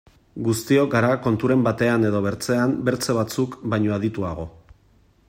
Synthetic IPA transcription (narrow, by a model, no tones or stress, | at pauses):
ɡust̪io̞kɡaɾako̞nt̪uɾe̞mbat̪e̞ane̞ðo̞β̞e̞ɾt͡se̞ambe̞ɾt͡seβ̞at͡sukbajɲo̞aðit̪uaɣ̞o̞